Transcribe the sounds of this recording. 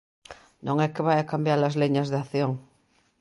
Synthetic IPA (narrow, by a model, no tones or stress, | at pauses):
nõŋɛkeβajakambjaɾlazleɲazðeaθjoŋ